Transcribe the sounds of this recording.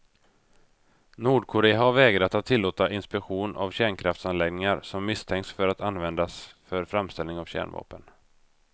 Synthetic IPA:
nuːɖkʰʊɾeːahaɾvɛːɡɾat̪at̪ʰːɪlːoːt̪aʔɪnspɛkɧuːna̰vɕæːɳkʰɾaft̪sanlɛɡnɪŋaɾsɔmːɪst̪ʰɛŋk̪sfœɾat̪anvɛnd̪asfœɾfɾamst̪ɛlnɪŋavɕæ̰ːɳvɑ̰ːpən

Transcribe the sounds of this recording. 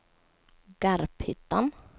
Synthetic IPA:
ɡ̥aɾphʏt̪ːan

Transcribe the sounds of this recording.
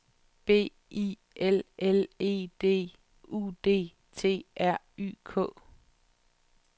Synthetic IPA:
b̥e̝̰ː | i | ʔelele̝̰ːd̥e̝̰ː | ṵːd̥e̝̰ː | t͡sʰe̝̰ːʔæɐ̰y̰ːkʰɔ̰̽ː

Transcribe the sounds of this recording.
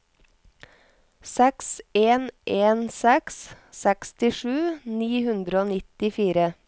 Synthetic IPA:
sɛkseːnʔeːnsɛks | sɛkst̪ɪʃʉːniːhʉnd̪ɾəoːnɪt̪ɪfiːɾə

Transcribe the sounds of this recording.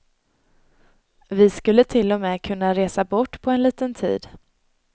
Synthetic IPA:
vɪskɵlːət̪ʰɪlːɔmɛːkʰɵnːaɾeːsabɔʈːpʰɔɛnliːt̪ənt̪ʰḭːd̪

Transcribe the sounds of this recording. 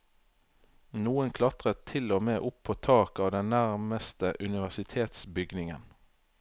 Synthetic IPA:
nuːənkʰlɑt̪ʁət̪ʰɪlɔmeːʔʊpʰːoːt̪ʰɑːkɑːʋd̪ɛnnæʁməst̪əʔʉnɪʋæsɪt̪ʰeːt̪sbʏɡnɪŋə̰n

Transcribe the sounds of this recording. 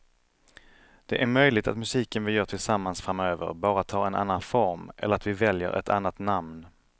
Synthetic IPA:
d̪̥ɛʔæɾmœjlɪɡt̪a̰t̪mɵsiːkənvɪljœːʈʰɪlsamːansfɾamøːvə̰ɾbɑːɾat̪ʰːɑːɛna̰nːanfɔɾmʔɛ̰ləɾat̪vɪvɛljə̰ɾʔɛ̰t̪ʰa̰nːat̪namn

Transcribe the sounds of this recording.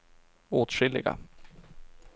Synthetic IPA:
oːt̪ɧɪlːɪɡa̰

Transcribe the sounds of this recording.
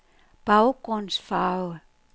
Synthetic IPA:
b̥aʊɡ̥ʁɔnsfaʊə

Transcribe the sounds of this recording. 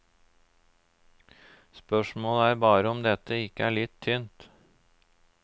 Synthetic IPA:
spœʃmoːləæːɾbɑːɾəɔmd̪ɛt̪əɪkːəæːɭɪt̪ʰːynt̪

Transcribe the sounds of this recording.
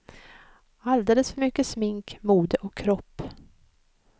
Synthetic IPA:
ald̪eːləsfœɾmʏkːəsmɪŋkmuːd̪əʔɔkʰːɾɔpː

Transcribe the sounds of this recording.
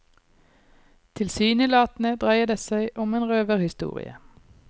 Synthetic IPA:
t̪ʰɪlsyːnəlɑːt̪n̩əd̪ʁæɪəd̪eːsæɪʔɔmeːnʁøːʋəʁhɪst̪ṵːʁɪ̰ə̰

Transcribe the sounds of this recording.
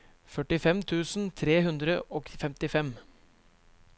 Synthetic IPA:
fœʈɪfɛmt̪ʰʉːsn̩t̪ʰɾeːɦʉnd̪ɾəoːfɛmt̪ɪfɛm

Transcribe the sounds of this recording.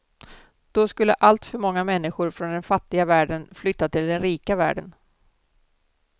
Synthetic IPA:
d̪̥ɔskɵlːə̰ʔalt̪fœɾmɔŋːamɛnːɪɧʊɾfɾɔnd̪ɛnfat̪ːɪɡavæːɖənflʏt̪ːat̪ʰɪld̪ɛnɾiːkavæ̰ːɖə̰n

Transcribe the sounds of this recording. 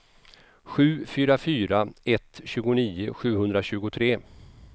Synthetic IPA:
ɧʉ̟ːfyːɾafyːɾaɛt̪ːɕʉ̟ːɡʊniːʊɧʉ̟ːhɵnd̪ɾaɕʉ̟ːɡʊt̪ʰɾeː

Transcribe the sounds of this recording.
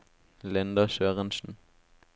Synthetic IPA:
lɪnd̪ɑʃøːʁənsn̩

